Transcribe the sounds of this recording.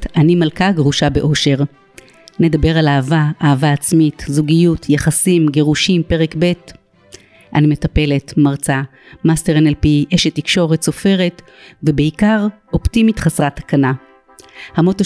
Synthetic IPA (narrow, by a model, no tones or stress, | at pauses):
animalkaɡʁuʃabe̞ʔo̞ʃe̞ʁ | ne̞dabe̞ʁalaːvaaːvaːt͡smitzuɡijutʰjaχasimɡe̞ʁuʃimpe̞ʁe̞kbe̞t | ʔanime̞tape̞le̞tmaʁt͡sa | masteʁenelpiʔeʃetːikʃo̞ʁetso̞fe̞ʁe̞t | vebeikaʁ | o̞ptimitχasʁatḁkana | hamo̞to